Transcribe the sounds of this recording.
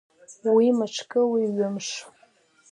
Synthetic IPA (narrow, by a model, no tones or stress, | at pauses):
wimaʈ͡ʂʰkʼɨwiɥʊmʂ